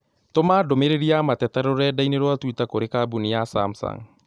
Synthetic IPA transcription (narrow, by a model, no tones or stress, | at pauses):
t̪omadomeɾeɾiamat̪ɛt̪ɛɾoɾɛdaineɾoat̪uit̪akoɾekabuniasa̰msa̰ŋ